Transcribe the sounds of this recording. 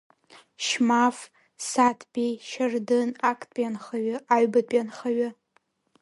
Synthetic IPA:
ʃmaf | satʰbʲejʃardɨnakʼtʼjanχaɥɪʔaɥbapʼjanχaɥɪ

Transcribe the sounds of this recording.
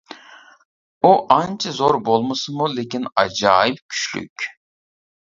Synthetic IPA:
uʔɑnt͡ʃʰɨzoɾbolˠmɨsɨmulekʲinɑd͡ʒɑːjip̚kʲʰy̥ʃly̰kʲ

